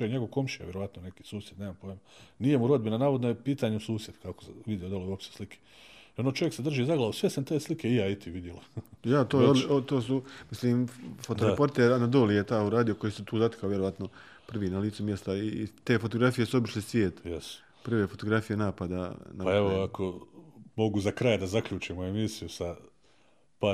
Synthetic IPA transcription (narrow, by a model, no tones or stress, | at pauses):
ojeɲeɡo̞ʋko̞mʃia̰ʋjeɾo̞ʋat̪nonekiːsuːsjed̪neːmampojemanijemuɾo̞d̪binanaːʋod̪nojepiːt̪aːɲeusuːsje̞d̪kakoʋid̪jeod̪olˠoʋopʃt͡ʃt̪eslikʰe | ionot͡ʃojeksed̪r̩ʒiːzaɡolˠoʋusʋe̞sent̪eːslike̞ijaːit̪iʋid̪jelojat̪oːjeod̪ot̪oːsumisliːmfot̪oɾepo̞ɾt̪eɾanad̪o̞ːlijet̪aːuɾaːd̪ioko̞jiːset̪uːzat̪e̥kaoːʋjeɾo̞ʋat̪no | pr̩ʋiːnaliːt̪sumje̞st̪ait̪e̞ːfo̞t̪oɡɾafije̞suobiʃlesʋjeːt̪jes | pr̩ʋeːfo̞t̪o̞ɡɾafije̞naːpad̪anaaeʋoakʰomoɡuzakɾaːjad̪azakʎuːt͡ʃimoemisijusa | paː